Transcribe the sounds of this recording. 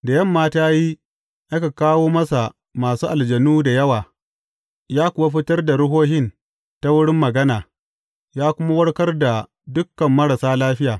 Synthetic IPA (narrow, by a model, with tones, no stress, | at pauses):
da˨jɐ˦˨mːaː˦taː˦ji˦ | ʔa˦ka˨kaː˦woː˦mɐ˦sa˨ | maː˨suː˦ʔa˨ld͡ʒɐ˨nuː˦da˨jɐ˦waː˨ | jaː˦kʷʊ˨wa˦ɸɪ˦tɐ˦rda˨ɽʊ˦ɦoː˦ɦɪ˦n | ta˦wʊ˦ɽɪ˦mːɐ˨ɡɐ˦naː˨ | jaː˦kʷʊ˦ma˦wɐ˦ɽkɐ˦rda˨ | dʊ˦kːɐ˨mːɐ˦ɾa˨saː˦laː˦ɸɪ˦jaː˨